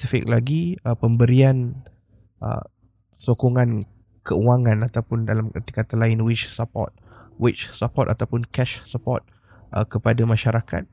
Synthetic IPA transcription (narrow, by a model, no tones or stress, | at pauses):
sifɪ̰k̚laɡiəpəmbəɾian | ʔə̰ | sokoŋãn | kəuaŋãnat̪awpʊndalamkət̪i̥kat̪alaɪnwɪt͡ʃsəpɔ̰t̪̚wɪt͡ʃsəpɔt̪at̪awpʊnkɛʃsəpɔt̪̚ | ʔə̰kəpadamãʃaɾaka̰t̪̚